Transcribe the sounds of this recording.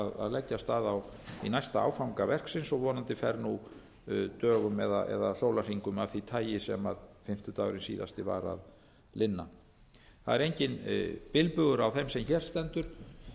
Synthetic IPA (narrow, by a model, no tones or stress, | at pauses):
ða̰ðlɛcːast̪aːðaw | inajst̪aa̰wfawŋkavɛr̥ksɪnsɔɣvɔːnant̪ɪfɛɾnu | t̪œːɣʏmɛðaʔɛ̰ðal̥oːwlar̥iŋkʏmaθit̪ʰaːjɪsɛma̰ðfɪm̥t̪ʏt̪aːwɾɪnsḭːða̰st̪ɪva̰ɾa̰ð | lɪnːa | θaðɛɾejɲcɪnpɪlpʏɣʏɾawθɛmsɛmçɛːɾ̥st̪ɛnt̪ʏɾ̥